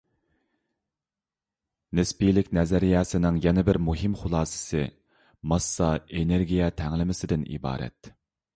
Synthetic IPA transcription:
nɪspijlɪkʲnɛzæɾijɛːsɪnɪŋjɛnɪbɪɾmuɦɪmχʊlˠɑːsɨ̥sɨ | mɑsːɑeneɾɡʲijɛt̪ʰɛŋlɪmɪsɪd̪ɪnḭbɑ̰ːɾɛ̰t̪

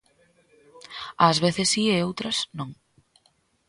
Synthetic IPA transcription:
azβeθɪsːieowt̪ɾɐsnõŋ

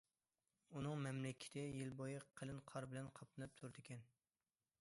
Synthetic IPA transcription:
unɨŋmɛmlɪkʲʰːɪ̥t̪ʰɪjilbojɨqʰːəlɨnqʰɑɾbɪlɛnqʰɑp̚t̪ɨnɨp̚t̪ʰuɾd̪ɪkʲʰɛn

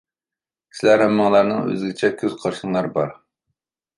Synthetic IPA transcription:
sɪlæɾhɛmːɑŋlˠɑɾnɨŋø̰zɡʲit͡ʃʰɛkʲʰøz̥qʰɑɾʃɨŋlˠɑɾbɑɾ

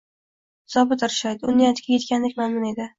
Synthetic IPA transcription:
z̥ɒbɪt̪ɪɾʃɒjt̪ʊnːajɒt̪kʲʰakʲe̞t̪̚kʲand̪ekʲmanmɪne̞d̪ɪ

